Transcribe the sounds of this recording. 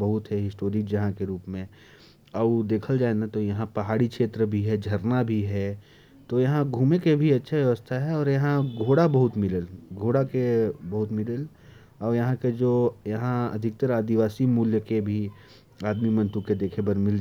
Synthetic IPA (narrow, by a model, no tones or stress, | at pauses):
bɐɦʊt̪ɦɛɦɪsʈoːɾikd͡ʒɐɦãkeɾuːpmẽ | ɐbd̪eːkʰəld͡ʒaːenat̪ojɐɦãpɐɦaːɽikʃʰeːt̪ɾəbʱiɦɛd͡ʒʱɐɾnabʱiɦɛ | t̪ojɐɦãɡʱuːmekebʱiɐtːʃʰaʋjɐʋəst̪ʰaɦɛɔːɾjɐɦãɡʱoːɽabɐɦʊt̪mɪləlɡʱoːɽakebɐɦʊt̪mɪləl | ɔːɾjɐɦãked͡ʒoːjɐɦãɐ̰d̪ʱɪk̚t̪əɾaːd̪iʋaːsimuːljəkebʱi | aːd̪mimɐ̃nt̪uked̪eːkʰebɐɾmɪld͡ʒ